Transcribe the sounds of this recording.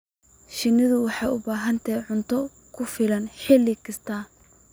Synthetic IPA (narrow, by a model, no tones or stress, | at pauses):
ʃɪnɪðʊwɑħɑjʊbaːɦɐnt̪ʰɐjʕʊnt̪ʰɔ | kʰʊfɪlɐnħɪlːɪkʰɐst̪ʰaː